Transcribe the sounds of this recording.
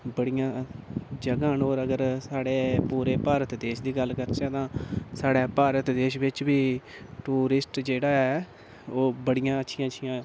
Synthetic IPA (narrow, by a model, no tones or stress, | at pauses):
bəɽijãːd͡ʒəɡãːnoːɾəɡəɾsaːɽeːpuːɾeːpaːɾət̪d̪eːʃd̪iːɡəlkəɾt͡ʃɛ̃ːt̪ãːsaːɽɛːpaːɾət̪d̪eːʃʋɪt͡ʃʋiːʈuːɾɪsʈd͡ʒeːɽaːɛː | oːbəɽijãːətːʃʰɪjãːətːʃʰijãː